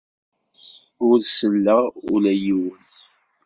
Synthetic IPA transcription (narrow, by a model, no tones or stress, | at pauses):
ʊlsəlːəʊlæjiwən